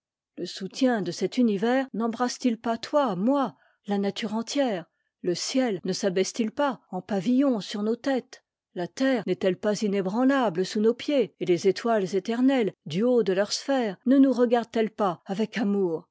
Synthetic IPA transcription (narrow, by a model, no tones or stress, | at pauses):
ləsut̪jɛ̃d̪əsɛt̪ynivɛːʁnɑ̃bʁast̪ilpat̪wamwa | lanat̪yʁɑ̃t̪jɛʁ | ləsjɛlnəsabɛst̪ilpaɑ̃pavijɔ̃syʁnot̪ɛt̪ | lat̪ɛːʁnɛt̪ɛlpazinebʁɑ̃labləsunopjeelezet̪walzet̪ɛʁnɛld̪yod̪əlœʁsfɛːʁnənuʁəɡaʁd̪̚t̪ɛlpaavɛkamuːʁ